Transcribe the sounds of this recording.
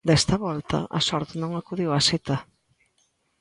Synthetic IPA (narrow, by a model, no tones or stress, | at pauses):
d̪ɛst̪ɐβɔlt̪ɐ̰ɐ̰sɔɾt̪nõŋakuðiwɐset̪ɐ